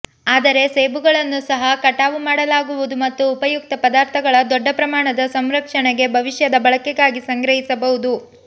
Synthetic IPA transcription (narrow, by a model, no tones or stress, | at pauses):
aːd̪ɐɾe̞seːbuɡɐɭɐnːusɐɦɐkɐʈaːʋumaːɽɐlaːɡuʋud̪umɐt̪ːuːpɐjuk̚t̪ɐpɐd̪aːɾt̪ʰɐɡɐɭɐd̪ɔɖːɐpɾɐmaːɳɐd̪ɐsɐmɾɐkʂɐɳɛɡe̞bʱɐʋiʂjɐd̪ɐbɐɭɐkɛɡaːɡisɐŋɡɾɐɦisɐbɐɦud̪u